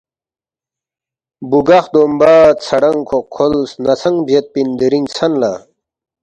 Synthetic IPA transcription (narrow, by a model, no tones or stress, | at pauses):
buɡaxd̪oːmbaːt̪̚t͡sʰɐɽɐŋkʰokʰːolsnɐt͡sʰɐŋbʱjet̪̚pind̪eɾiŋt͡sʰɐnla̰ː